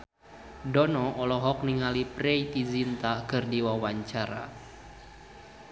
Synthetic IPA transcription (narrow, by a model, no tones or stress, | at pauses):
dɔnɔʔɔlɔɦɔk̚niŋaliprɛit̪izint̪akɨrdiwawaɲt͡ʃaɾa̰